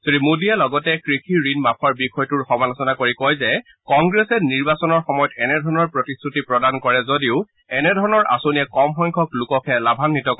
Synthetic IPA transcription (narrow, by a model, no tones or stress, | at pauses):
z̥odimudialɔɡɔtɛkɹikʰiɹinmapʰɔɹbixɔjtuɹxɔmalɔsɔnakoɹikɔjzɛ | kɔŋɡɹɛsɛniɹbasɔnɔɹxɔmɔjɔtɛnɛdʱɔɹɔnɔɹpɹɔtistʰɹutipɹɔdankɔɹɛzodiʊ | ɛnɛdʱɔɹɔnɔɹʔa̰sonijɛkɔmxɔŋkʰɔklukɔkʰɛlabʱanːitɔkɔ